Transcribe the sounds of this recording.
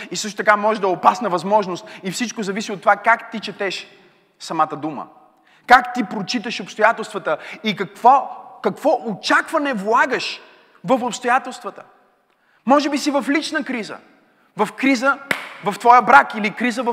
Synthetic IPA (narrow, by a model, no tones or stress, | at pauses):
isɤʃt̪ʊ̥t̪ɐkamɔʒɛʒd̪ɐɛopasnəvɐzmɔʒnost̪̚ifsit͡ʃkozɐvisiot̪ːovakakt̪it͡ʃɛt̪ɛʃ | sɐmat̪əd̪umə̰ | kakt̪ipɾot͡ʃit̪əʃopst̪ojat̪ɛlˠst̪vət̪əikɐkvɔkɐkvɔʔot͡ʃakvɐnɛvlˠaɡəʃ | vəfopst̪ojat̪ɛlˠst̪vət̪ə̥ | mɔʒɛbisivɐflit͡ʃnəkɾizə̰ | vɐfkɾizəvɐft̪vɔjəbɾakilikɾizəvə